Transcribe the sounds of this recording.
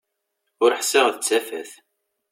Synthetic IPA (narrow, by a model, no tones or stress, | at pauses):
ʊɾəħsɪʁðət͡sːæfæ̰θ